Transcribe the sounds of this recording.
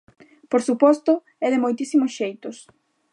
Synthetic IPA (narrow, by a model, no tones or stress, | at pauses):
poɾsupɔst̪ʊ | ɛðɪmojt̪isimʊsʃejt̪ʊs